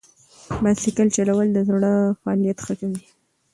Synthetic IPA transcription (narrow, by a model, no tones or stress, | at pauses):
bad̪likəlt͡ʃalawəld̪əzaɽəfaɑlijat̪xəkawi